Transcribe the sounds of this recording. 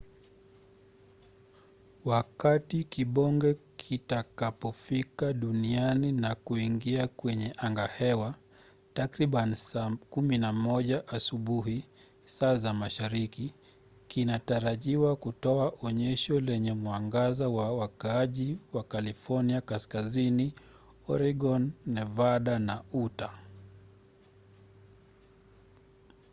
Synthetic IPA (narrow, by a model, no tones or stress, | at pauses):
wakatikiɓɔŋɡɛkʰitakapɔfikaɗunianinakuiŋɡiakwɛɲɛʔaŋɡahɛwa | takɾiɓanisakuminamɔʄaʔasuɓuɦi | saːzamaʃaɾiki | kinataɾaʄiwakutɔaʔɔɲɛʃɔlɛɲɛmwaŋɡazawawakaaʄiwakalifɔɾniakaskazini | ɔɾiɡɔnːɛvaɗanauta